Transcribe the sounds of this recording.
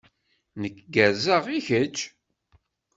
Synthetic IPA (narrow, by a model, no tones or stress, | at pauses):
nəkːɡæzəʁiçət͡ʃː